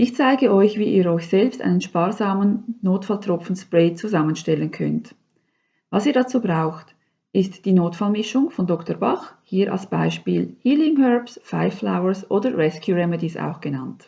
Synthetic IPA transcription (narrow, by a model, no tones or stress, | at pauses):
ʔɪçt͡saɪɡəʔɔʏçviːʔḭːɐɾɔʏçz̥ɛlpstʔa̰ɪnənʃpaːʁzaːmənːoːtfaltʁ̥ɔp͡fn̩spʁɛːt͡suzamənʃtɛlənkʰœ̰nt | vɑsiːdat͡suːbʁaʊxt | ʔɪstd̥iːnoːtfalmɪʃʊŋfɔndɔktəbaχhiːɾʔa̰lsb̥a̰ɪʃpiːlhiːlɪŋhœɹpsfaɪfla̰ʊəɹsʔoːdəʁɛskʰjuʁɛmɛdisa̰ʊxɡ̥ənant